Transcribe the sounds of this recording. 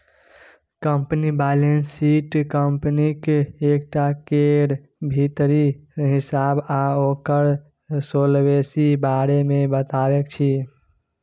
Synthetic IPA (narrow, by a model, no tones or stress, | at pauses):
kəmpnibalensiʈkəmpnikeːkʈakeɾ | bʱit̪ɾiɦisabaokəɾ | solbesibaɾemebət̪abekt͡ʃʰi